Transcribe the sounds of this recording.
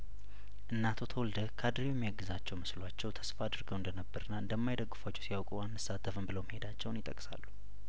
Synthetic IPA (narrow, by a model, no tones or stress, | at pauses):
ʔɨnːat̪ʰo̞t̪ʰəwɔld̪əkʰad̪ɾijɛmːiaɡːɨzat͡ʃːɛwmɨslwat͡ʃːɛwt̪ʰə̥sfaːd̪ɨɾɡəwɨnd̪ənəbːəɾɨnːaɨnd̪əmːajd̪əɡːɨfat͡ʃːɛwsijawkʼuanːɨsːat̪ʰːəfɨmbɨləwməhed̪at͡ʃːɛwnjɪt̪ʼə̰kʼsa̰lːu̥